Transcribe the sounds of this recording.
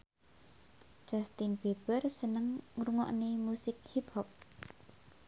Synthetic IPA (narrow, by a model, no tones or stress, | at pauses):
ʒ̥ast̪ɪnb̥eb̥ərsənəŋŋɾuŋɔ̰ʔnemusɪk̚hip̚hɔp̚